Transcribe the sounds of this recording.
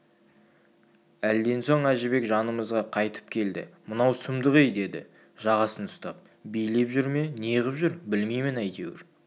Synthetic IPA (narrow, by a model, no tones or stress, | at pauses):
æld̪e̞nso̞ɴæʒɪbe̞kʒɑnəməzʁɑqʰɑjt̪ə̥p̚kʲʰe̞ld̪ɪ̰mənɑwsʊmd̪əʁejd̪e̞d̪ɪ̰ | ʒɑʁɑsənʰʊ̥st̪ɑp̚ | bijle̞pʒʏɾme̞neʁəpʒʏɾbɪlme̞jmɪnæjt̪e̞wɪ̰ɾ